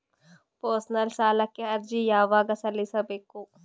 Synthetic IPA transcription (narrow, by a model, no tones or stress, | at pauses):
pəːsnɐlsaːlɐkːeɐɾd͡ʒijaːʋaɡɐsɐlisɐbekːoː